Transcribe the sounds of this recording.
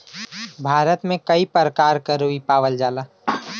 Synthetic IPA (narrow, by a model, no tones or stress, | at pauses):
bʱaːɾət̪mẽkəipɾəkaːɾkəɾoipaːʋəld͡ʒaːla